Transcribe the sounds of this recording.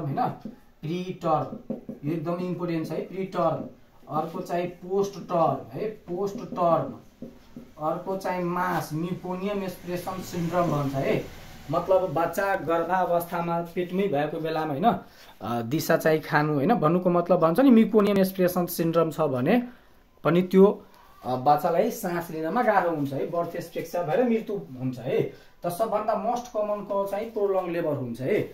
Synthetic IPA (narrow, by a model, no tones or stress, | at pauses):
ɦʌjnʌ | priʈʌrek̚d̪ʌmʌjimpoʈenʈt͡sʰʌɦʌjpriʈʌr | ʌrkot͡sãĩposʈʈʌrɦʌjposʈʈʌrn | ʌrkot͡saĩmasmiponijʌmespresʌnsiɳʈrʌmbʱʌnt͡sʰʌɦʌjmʌt̪lʌbːʌtːt͡saɡʌrd̪aʌbʌst̪ʰamapeʈmʌjbʱʌekobelamaɦʌjnʌ | d̪isat͡sãĩkʰanũɦʌjnʌbʱʌnːukomʌt̪lʌbːʱʌnt͡sʰʌnimiponijʌmespresʌnsiɳɖrʌmt͡sʰʌbʱʌne | pʌnit̪jo | bat͡salajsãslinamaɡaɾʌɦunt͡sʰʌɦʌjbʌrt̪ʰespekt͡sʰabʱʌeɾʌmirt̪uɦunt͡sʰʌɦʌj | t̪ʌsʌbːʱʌnd̪amosʈkʌmʌnkot͡saĩprolʌŋɡlebʱʌrɦunt͡sʰʌɦʌj